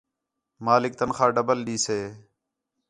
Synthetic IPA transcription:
maːlɪk̚t̪ənxãːɖəbəlɗiːseː

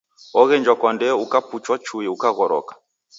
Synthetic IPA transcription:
ɔɣɛnd͡ʒwakɔndɛukaput͡ʃwat͡ʃʰujiukaɣɔɾɔ̰ːkḁ

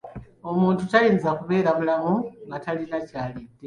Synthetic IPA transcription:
o̞muːntutajiːnzakuβe̞ːɾamulamuŋɡatalinacaːlidːe

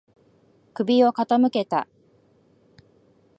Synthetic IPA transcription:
kɯ̟bʲio̞kat̪amɯ̟ke̞t̪a̰

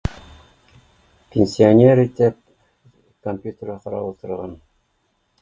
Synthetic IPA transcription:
pʲenʲsʲɪonʲeɾit̪ɘp̚ | komʲpʲjut̪ʲɪrɑqɑɾɑ̰wut̪ɤ̆ɾʁɑn

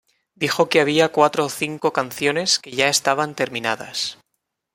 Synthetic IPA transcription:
d̪ixo̞keaβ̞iakwat̪ɾoːθiŋko̞kan̟θjo̞ne̞ske̞ʝae̞st̪aβ̞ant̪e̞ɾmĩnaða̰s

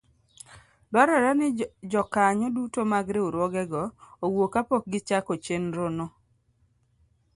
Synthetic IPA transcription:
baɾaɾanɪd͡ʒɔkaɲɔdutomaɡɾeuɾwɔɡɛɡɔowokapɔk̚ɡɪt͡ʃakot͡ʃenɾono

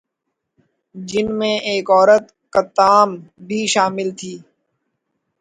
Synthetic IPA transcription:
d͡ʒɪnmẽːeːkɔːɾət̪ | kət̪aːmbʱiːʃaːmɪlt̪ʰiː

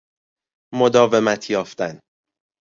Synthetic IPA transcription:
mod̪ɒːve̞mæt̪ʰjɒːft̪æn

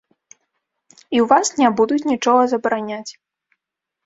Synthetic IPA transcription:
iwvasnʲabud̪ut͡sʲnʲit͡ʂɔɣɐzɐbɐɾanʲat͡sʲ

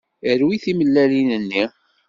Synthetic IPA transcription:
əɾwiθiməlːælinənːi

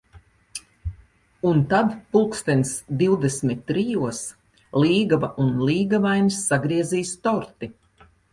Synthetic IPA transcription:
unt̪ad̪pulˠkst̪ɛnʲsd̪iwd̪esmit̪ːɾijuɔs | liːɡavaʔunliːɡavajnsːaɡɾiɛziːst̪ɔɾt̪i

